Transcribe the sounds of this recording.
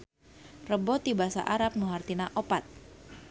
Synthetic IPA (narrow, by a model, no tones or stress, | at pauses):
rəbɔt̪ibasa̰ʔaɾap̚nuɦart̪inaʔopat̪̚